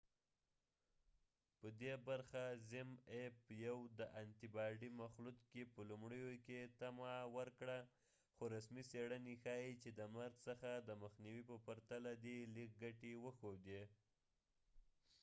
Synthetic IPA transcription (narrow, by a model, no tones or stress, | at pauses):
pəd̪ebaɾxazɪmepjawd̪əʔant̪ibɑɖimaxlut̪kepəlumɽəjoket̪amawəɾkɽa | xoɾasmiseɽənixɑjit͡ʃed̪əmaɾd̪səxad̪əməxniwipəpaɾt̪alad̪ilik̚ɡaʈewəxod̪e